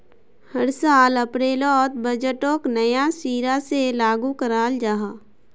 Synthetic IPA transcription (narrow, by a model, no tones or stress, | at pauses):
həɾsaːləpɾeːlɔːt̪̚bəd͡ʒəʈõːknəjasiːɾaselaːɡukəɾaːld͡ʒaːɦaː